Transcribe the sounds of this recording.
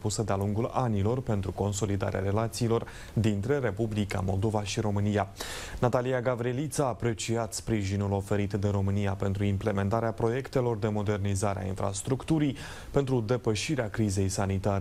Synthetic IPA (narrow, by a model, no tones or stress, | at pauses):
pusəd̪ealuŋɡulanilo̞rpe̞nt̪ɾuko̞ns̬o̞lid̪a̰ɾea̰ɾe̞lat̪siːlo̞r | d̪int̪ɾe̞ɾe̞publika̰mo̞ld̪o̞vaʃiɾo̞mɨnijanat̪aliaɡavɾie̞lit̪saːpɾe̞t͡ʃiat̪spɾiʒinulo̞fe̞ɾit̪d̪e̞ɾo̞mɨnijape̞nt̪ɾuimple̞me̞nt̪aɾeapɾo̞je̞kt̪e̞lo̞rd̪e̞mo̞d̪e̞rnizaɾḛa̰ḭnfɾa̰st̪ɾukt̪uɾij | pe̞nt̪ɾud̪e̞pəʃiɾeakɾize̞jsanit̪aɾe